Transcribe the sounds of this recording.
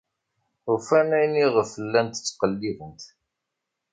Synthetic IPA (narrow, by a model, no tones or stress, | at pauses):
ufænæjniʁəfəlːænt̪ə̥t͡sːqəlːivənt̪